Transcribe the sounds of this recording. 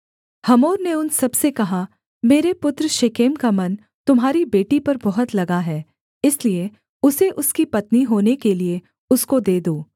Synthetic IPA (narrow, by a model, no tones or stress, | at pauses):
hɐmoːɾneʊnsɐbsekɐɦa | meːɾepʊt̪ɾʃekeːmkamɐn | t̪ʊmɦaːɾibeːʈipɐɾbɐɦʊt̪lɐɡaɦɛː | ɪslie | ʊseʔʊskipɐt̪niɦoːnekelie | ʊskod̪eːd̪oː